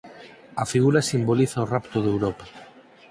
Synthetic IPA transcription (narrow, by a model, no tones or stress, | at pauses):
afiɣ̞uɾasimboliθaorapt̪oðewɾopa